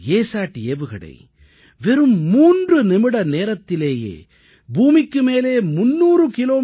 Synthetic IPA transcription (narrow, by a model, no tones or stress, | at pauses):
eːsaːʈːieːʋɯɣɐɽɐ̰ɪ | ʋɛɾɯmːuːndrɯnɪmɪɽɐneːɾɐt̪ːɪleːjḛː | buːmɪkːɯmeːleːmʊnːuːrɯkɪloː